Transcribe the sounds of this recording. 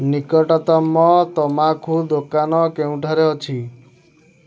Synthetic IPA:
nikɔʈɔt̪ɔmːɔt̪ɔmakʰud̪okanɔkeũʈaɾeɔt͡ʃʰi

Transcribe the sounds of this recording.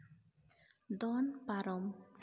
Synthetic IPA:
d̪ɔnpaɾɔm

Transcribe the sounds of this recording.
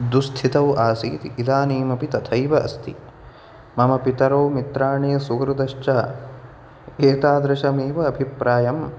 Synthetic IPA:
d̪ust̪ʰit̪ɐwʔaːsḭːt̪iʔːlaːniːmɐpit̪ɐt̪ʰɐjʋɐʔɐ̰st̪ʰḭ | mɐmɐpit̪ɐɾoːmit̪ɾaːɳijɐsuɡɾud̪ɐʃt͡ʃɐ | eːt̪aːd̪ɾɐʃɐmeːʋɐːbʱipɾaːjɐm

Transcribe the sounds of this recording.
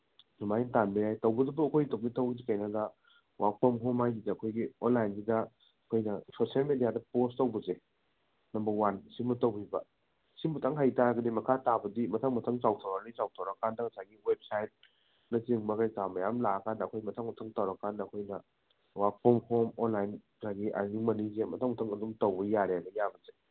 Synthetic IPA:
numajntanbɐjajtwbɐdɐbɐːkʰojitok̚mitʰːawɡz̬ikɐjnadɐ | wʔak̚pʰomɦomajɡizaɐkʰojɡionlajnsidɐ | ɐkʰojnɐsʰosalmedijadɐpostɐwbɐze | nɐmbɐwansimutɐwbibɐ̰ | simɐtʰaŋɦajtaɾɐɡɐdimɐkʰatabɐdimɐtʰaŋmɐtʰɐŋt͡ʃawtʰawɾalizawtʰawɾɐkʰːandɐŋɐsaɡiwep̚sajt̚ | nɐt͡ʃiŋbɐkajkamɐjamlaɐkʰandɐːkʰojmɐtʰaŋmɐtʰɐŋtɐwɾɐkʰːandɐːkʰojnɐ | wapʰomhomonlajn | saɡiʔa̰jniŋmɐnizemɐtʰaŋmɐtʰɐŋɐdumtowbɐjaɾeanɐjabɐze

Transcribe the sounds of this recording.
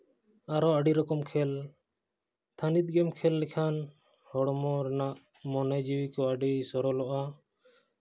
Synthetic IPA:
aɾɔaɖiɾɔkɔmkʰɛl | t̪ʰanit̪̚ɡɛmkʰɛlːɛkʰan | hɔɽmɔɾɛnaʔ | mɔnɛd͡ʒiwikɔaɖisɔɾɔlɔʔa

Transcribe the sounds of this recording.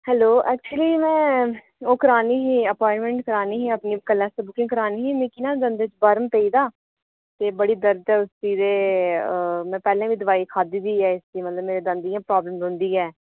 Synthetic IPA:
hɛːloːʔɛːk̚t͡ʃuəliːmɛ̃ː | oːkəɾaːniːɦiːəpɔːɪɳʈmɛ̃ːɳʈkəɾaːniːɦiːəpniːkəlːɛ̃ːsəbʊkɪ̃ŋɡkəɾaːniːɦiːmĩːkinãːd̪ənd̪eːt͡ʃbəɾəmpeiːd̪aː | t̪eːbəɽiːd̪əɾd͡ʒɛːʊst̪iːd̪eː | mɛ̃ːpɛːlãːʋiːd̪əʋaːiːkʰaːd̪iːd̪iːɛːɪsd̪iːmət̪ləbmeːɾeːd̪ə̃nd̪ijãːpɾaːbləmzʊ̃nd̪iːɛː

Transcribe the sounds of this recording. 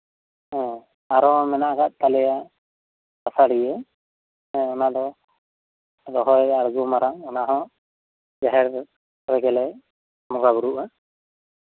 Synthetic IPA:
ɦɛ̃ | aɾɔmɛnaʔɡaʔ̚t̪alɛja | basaɽijɛ | ɛ̃ɔnad̪ɔ | dɔɦɔjaɾɡumaɾaŋɔnaɦɔ̃ | d͡ʒaɦɛɾ | ɾɛɡɛlɛ | mɔɡabuɾuʔa

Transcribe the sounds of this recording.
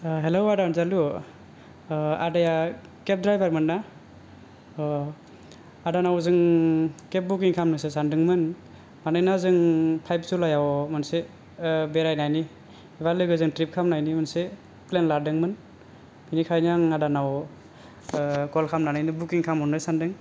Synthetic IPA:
ɦelowadanzalu | a̰daja | kep̚dɾajbaɾmɯnːa | adanawzɯŋkep̚buk̬iŋkʰamnɯsesandɯŋmɯn | manɯjnazɯŋpʰajp̚sulajawmɯnse | beɾajnajni | iβalɯɡɯzɯŋtɾip̚kʰamnajnimɯnse | plenladɯŋmɯn | binikʰajnaŋadanaw | ɡɔlkʰamnanajnɯbukiŋkʰamɔnɯjsandɯŋ

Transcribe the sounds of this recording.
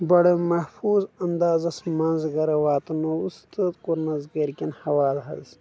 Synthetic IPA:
bɐɽemɐhfuːzɐnd̪aːzɐsmɐnzɡɐɾɐwaːt̪ɐnoust̪ʰət̪quɾnɐzɡɐɾkʲinhɐwaːlɦɐ̰ls

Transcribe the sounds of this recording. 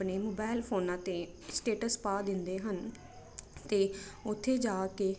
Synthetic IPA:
neːmoːbaːɪlpʰoːnãːt̪eː | sʈeːʈəspaːd̪ɪnd̪eːɦən | t̪eːʊt̪ʰːeːd͡ʒaːkeː

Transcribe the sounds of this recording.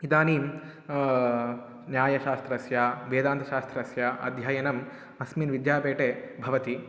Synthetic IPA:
id̪aːniːm | njaːjɐʃaːst̪ɾɐsjaʋeːd̪aːnt̪ʰɐʃaːst̪ɾɐsjaʔɐ̰d̪ʱjaːjɐnɐm | ɐsmiːnʋid̪jaːpeːʈebʱɐʋɐt̪i

